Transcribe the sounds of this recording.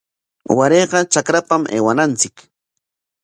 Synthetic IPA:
waɾeːɢɑt͡ʃakɾapamʔḛːwanant͡sɪk

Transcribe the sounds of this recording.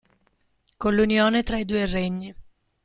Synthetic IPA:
kolːunjoːnet̪ɾaid̪uːereɲːi

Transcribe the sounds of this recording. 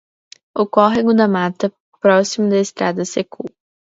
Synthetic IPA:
okɔɦiɡʊd̪ɐmat̪ɐ | pɾɔsimʊd̪ɐest̪ɾad̪ɐsekʰu

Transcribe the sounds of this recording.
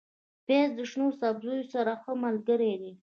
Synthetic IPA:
pezd̪əʂnosabzujosaɾaxəmalɡəɾed̪i

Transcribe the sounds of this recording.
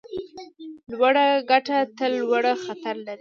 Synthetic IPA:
lwaɽaɡaʈat̪əlːwaɽaxat̪aɾlaɾi

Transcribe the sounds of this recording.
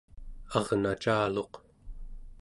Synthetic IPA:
ɑʁnat͡ʃaːlo̞q

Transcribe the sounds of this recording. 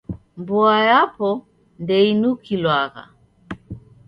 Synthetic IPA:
mbuajapɔ | ndɛinukʰilwaɣa̰

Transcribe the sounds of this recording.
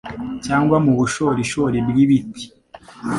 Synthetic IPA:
caːŋɡwamuβuʃo̞ːɾiʃo̞ɾibɡiβiti̥

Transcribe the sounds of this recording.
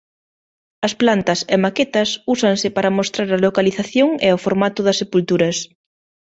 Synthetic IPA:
ɐsplant̪ɐsemaket̪ɐsusɐŋsɪpaɾɐmost̪ɾaɾɐlokaliθaθjoŋeafoɾmat̪ʊðɐsːepult̪uɾɐs

